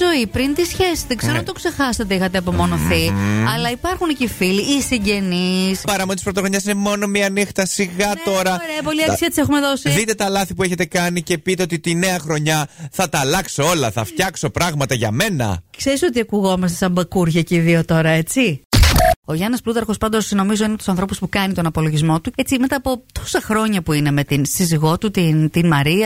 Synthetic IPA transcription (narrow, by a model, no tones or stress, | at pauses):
o̞ipɾint̪isçe̞si̥t̪ðeɡze̞ɾunt̪okse̞xɐsɐt̪eixɐt̪̬eɐpo̞mo̞no̞θiɐlɐipɐɾxuncifiliʔːsiɲɟe̞nispɐɾɐmonit̪ispɾot̪oɣoɲɐsine̞mo̞no̞miɐnixt̪ɐsiɣɐt̪o̞ɾɐɾeɐpo̞liɐkksiɐt̪i̥sexume̞ðo̞siðit̪e̞t̪ɐlɐθipue̞çe̞t̪e̞kɐnice̞pit̪eo̞t̪it̪ine̞ɐxɾo̞ɲɐθɐt̪ɐlɐksoo̞lɐθɐ̰ft̪çɐkso̞pɾɐɣmɐt̪ɐʝɐ̰me̞nɐ̰kseɾiso̞t̪iɐkuɣo̞mɐst̪esɐmbɐkuɾʝɐceiðiot̪o̞ɾɐe̞t͡si | o̞ʝɐnɐsplut̪ɐɾxo̞spɐnd̪osno̞mizo̞inet̪usɐnθɾo̞puspukɐnit̪o̞nɐpo̞lo̞ʝizmo̞t̪uet͡sime̞t̪ɐːpo̞t̪o̞̥sɐxɾo̞ɲɐpuine̞me̞t̪insiziɣo̞t̪ut̪int̪inmɐɾiɐ